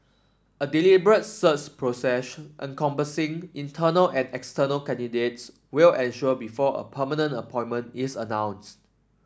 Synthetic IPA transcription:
ədilibəɹət̚sət͡ʃpʰɹosɛsʔə̰̃nkʰɔ̃mpəsĩŋĩntʰənəlʔɛ̃nɛkstənəlkɛ̃ndidet̚s | wilɛ̃nʃuəbifɔə̰pʰəmənə̃nəpʰɔ̃ɪ̃nmə̃ntisənãw̃nst

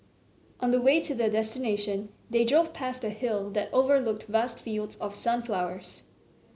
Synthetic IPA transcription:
ʔə̃nðəweɪtʰɨðədɛstɨneɪʃɨ̃n | ðeɪdɹoʊv̥pʰæstɨhɪlˠðɨtoʊvə˞lʊk̚tvæstfilˠdzʌv̥sʌ̃nflaʊə˞z̥

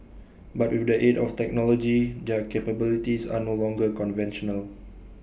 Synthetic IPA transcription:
batwɪfdəʔetɔftɛk̚nɔlɔd͡ʒid͡ʒakepəbilitisa̰nolɔ̃ŋɡəkɔ̃nvɛ̃nʃɔnəl

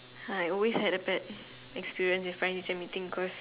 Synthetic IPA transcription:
aaɔlweshɛɾəbɛd̚ | ɛkspiɹiə̃nsɪ̃fɹãɪ̃nit͡ʃə̃mitĩŋbikʰɔs

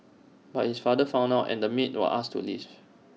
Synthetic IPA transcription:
bat̚hisfadəfãʊ̃naʊtɛ̰̃ndəmit̚wə̰ʔastʰṵliv̥

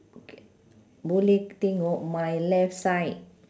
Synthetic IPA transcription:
bulit̪iŋoʔmajlɛfsajt̚

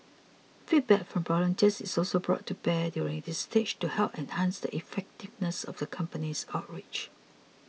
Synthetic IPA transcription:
fit̚bɛkfɹɔ̃mvɔlə̃ntʰɛsɪsɔlsobɹɔ̰tʰːubɛdjuɹɪ̃ŋdɪsːtʰed͡ʒtuhɛlˠpɛ̃nhãnsdə̰ʔifɛk̚tɪvnəsɔ̰vðəkʰʌ̃mpənisaʊt̚ɹit͡ʃ

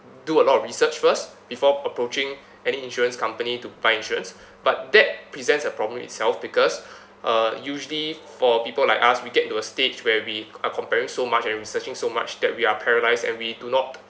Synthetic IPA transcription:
duəlɔtɔfɹisət͡ʃfəstb̥ifɔəpɹot͡ʃɪ̃ŋ | ɛniĩnʃuɹə̃nskãmpənitubaɪĩnʃuɹə̃ns | bat̚dɛt̚pɹizɛ̃ntsəpɹɔblə̃mḭtsɛlfbikɔs | ʔajuʒəlifɔpipəlaɪkaswiɡɛtĩntuəsted͡ʒwɛwiakʰɔ̃mpɛɹɪ̃ŋsomat͡ʃɛ̃nɹisət͡ʃɪ̃ŋsoma̰t͡ʃdɛ̰t̚wiapʰɛɹəlaɪsdɛ̰̃nwidunɔt̚

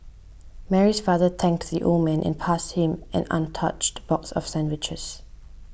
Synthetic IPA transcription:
mɛɹisfaðətʰɛ̃ŋk̚tðiʔo̰mɛ̃nʔɛ̰̃npʰashɪ̃mʔɛ̰̃nã̰ntʰʌt͡ʃtb̥ɔksɔ̰fsɛ̃ndwɪt͡ʃəs

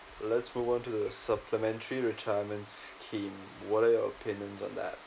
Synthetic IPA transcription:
lətsmuːvɔ̃ntuðəsʌpʰləmɛ̃ntʰəɹiɹɪtʰajəmə̃ntskʰĩːm | wɔɾajɔə̰pʰɪ̃njə̃nzɔ̰̃n̩ðæ̰t̚

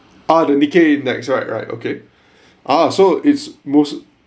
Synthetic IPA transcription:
ʔadənikenɛ̰ksɹaɪt̚ɹa̰ɪto̰kʰe | ʔasoʔɪtsmos

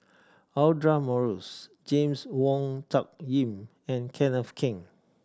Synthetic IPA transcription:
aldɹamɔɹus | d͡ʒẽmswɔ̃ŋtʰɔk̚jĩm | ɛ̃nkʰɛ̃nɔfkʰĩŋ

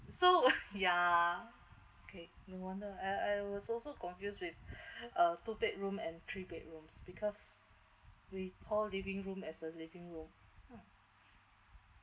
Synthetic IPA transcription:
soja | okʰenowɔ̃ndəaɪaɪwɔsɔlsokɔ̃nfjuswifətupɛt̚ɹũmɛ̃nt̪ʰɹipɛt̚ɹũmsb̥ikʰɔs | wikʰɔllivĩŋɹũmɛsəlivĩŋɹũm

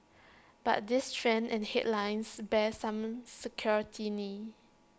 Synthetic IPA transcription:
b̥a̰t̚distʰɹɛ̃nɛ̃nhɛ̰dlãɪnsbɛsãmsəkʰjɔɹitʰini

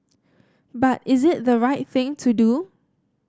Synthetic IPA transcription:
batɪzɪt̚ðəɹaɪt̚θɪ̃ŋtʰudu

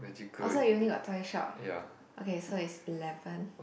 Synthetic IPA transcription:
ɛikʰɔsojunikɔ̰t̪ʰajʃɔ̰t̚ja̰ | ʔokesoitsilɛvə̃n

